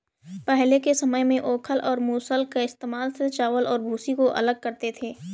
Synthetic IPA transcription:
pɛɦlekesɐməjmẽʔoːkʰəlɔːɾmuːsəlkaɪst̪eːmaːlset͡ʃaːʋəlɔːɾbʱuːsikoʔɐ̰ləɡ̚kɐɾt̪et̪ʰeː

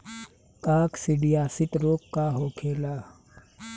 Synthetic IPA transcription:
kaːksɪɖijaːsɪt̪ɾoːkːaɦoːkʰeːlaː

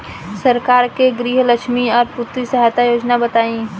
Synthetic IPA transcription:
səɾkaːɾkeɡɾiːɦləkʃmiɔːɾpʊt̪wisəɦajt̪ajoːd͡ʒnabət̪aːĩ

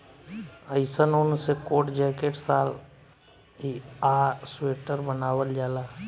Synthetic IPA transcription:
əɪsənʊnsekoːʈd͡ʒɛːkeːʈsaːl | ɦiaːsweːʈəɾbənaːwəld͡ʒaːlaː

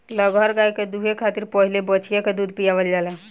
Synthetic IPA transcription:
ləɡʱəɾɡajked̪uɦekʰat̪iɾpəɦilebət͡ʃʰijeked̪ud̪ʱpijabəld͡ʒalɛ

